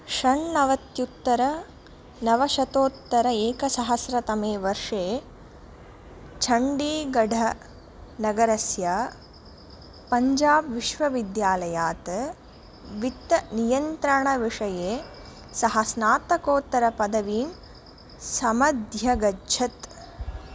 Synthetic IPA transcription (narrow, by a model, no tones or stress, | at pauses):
ʃɐɳːɐʋɐt̪jut̪ːɐɾɐ | nɐʋɐʃɐt̪oːt̪ːɐɾɐeːkɐsɐɦɐsɾɐt̪ɐmeːʋɐɾʂeː | t͡ʃʰɐɳɖiːɡɐɖʱɐ | nɐɡɐɾɐsjaː | pɐɲd͡ʒaːbʋiʃʋɐʋid̪jaːlɐjaːt̪ɐ | ʋit̪ːɐnijɐnt̪ɾɐɳɐʋiʂɐjeː | sɐɦɐsnaːt̪ɐkoːt̪ːɐɾɐpɐd̪ɐʋiːm | sɐmɐd̪ʱjɐɡɐd͡ʒʰʱɐt̪